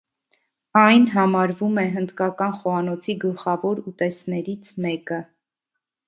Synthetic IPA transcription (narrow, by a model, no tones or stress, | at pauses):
ɑjnɦɑmɑɾvumɛɦənd̪kɑkɑnχɔɑnɔt͡sʰiɡəlχɑvɔɾut̪ɛsnɛɾit͡sʰmɛkə